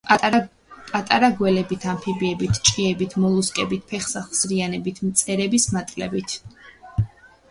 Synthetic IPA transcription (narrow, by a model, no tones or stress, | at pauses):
pʼat̪ʼaɾaɡwɛlɛbit̪ʰampʰibiɛbit̪ʰt͡ʃʼqʼiɛbit̪ʰmɔlˠuskʼɛbit̪ʰpʰɛχsaχsɾianɛbit̪ʰmt̪sʼɛɾɛbismat̪ʼlɛbit̪ʰ